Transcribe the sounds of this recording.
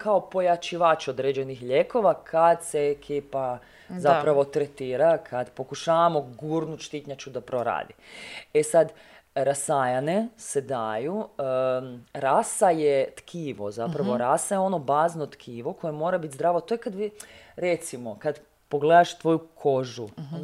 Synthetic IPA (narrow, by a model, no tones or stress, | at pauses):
kao̞po̞jat͡ʃiʋat͡ʃod̪ɾed͡ʑe̞nixʎeko̞ʋakʰad̪seekʰiːpa | zapɾaʋo̞t̪ɾet̪iːɾakʰad̪po̞kuʃaːʋamo̞ɡuɾnuʃt̪it̪ɲat͡ʃud̪apɾoɾa̰ːd̪iesad̪ | ɾasajanesed̪aju | ɾasajet̪kʰiːʋozapɾaʋoɾasajeo̞no̞baːzno̞t̪kʰiːʋo̞ko̞jemo̞ːɾabit̪zd̪ɾaːʋot̪o̞jekad̪ʋiɾet̪simo̞kad̪ | po̞ɡled̪aʃt̪ʋo̞jukʰo̞ʒu